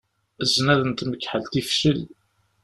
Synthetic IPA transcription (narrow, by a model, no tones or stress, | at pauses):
zːnæðənt̪məkːħəlt̪ifʃəl